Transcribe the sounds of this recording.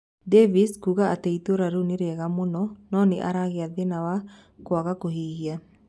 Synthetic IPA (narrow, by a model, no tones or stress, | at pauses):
deviskuɣaateitoɾaɾuneɾeɣamonɔnɔːneʔaɾaɣeaðenawa | kwaɣakohiɣia